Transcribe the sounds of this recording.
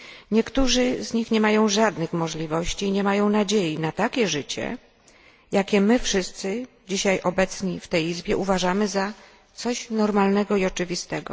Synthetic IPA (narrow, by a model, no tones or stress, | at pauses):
ɲɛkt̪uʐɘzɲixɲɛmajɔ̃w̃ʐad̪nɘxmɔʐlʲivɔɕt͡ɕiːɲɛmajɔ̃w̃nad͡ʑejinat̪akʲɛʐɘt͡ɕɛ̰ | jakʲɛmɘfʂɘst̪sɘ | d͡ʑiɕajʔɔbɛt̪sɲift̪ɛjizbʲjɛʔuvaʐamɘza | t̪sɔɕnɔɾmalnɛɡɔiɔt͡ʂɘvʲist̪ɛɡɔ̰